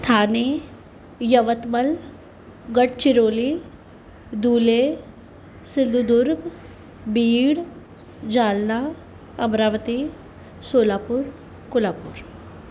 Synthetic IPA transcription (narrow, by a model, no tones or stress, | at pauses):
t̪ʰaːne | jəʋət̪məl | ɡəɽt͡ɕiɾoːli | d̪uːle | sid̪ud̪uɾɡ | biːɽ | d͡ʑaːlna | əmɾaʋət̪i | soːlapuːɾ | kulapuːɾ